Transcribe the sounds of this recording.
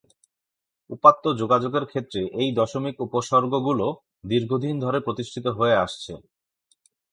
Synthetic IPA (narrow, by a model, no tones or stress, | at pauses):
upat̪ːod͡ʑoɡad͡ʑoɡeɾkʰet̪ːɾeʔejd̪ɔʃomikupoʃɔɾɡoɡulo | d̪iɾɡʱod̪ʱind̪ʱɔɾepɾot̪iʃʈʰit̪oɦoeaʃt͡ɕʰḛ